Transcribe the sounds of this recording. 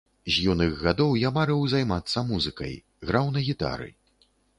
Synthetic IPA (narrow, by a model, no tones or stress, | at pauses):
zʲjunɨɣɣad̪ɔwjamaɾɛwzajmat̪sːɐmuzɨkɐ̰j | ɣɾawnɐɣʲit̪a̰ɾɨ̰